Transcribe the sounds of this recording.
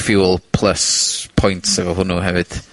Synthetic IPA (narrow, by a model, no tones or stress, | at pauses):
fjuːəlˠpʰl̥ˠəspʰɔjntsɛvɔɦʊnuɦɛvɨd̥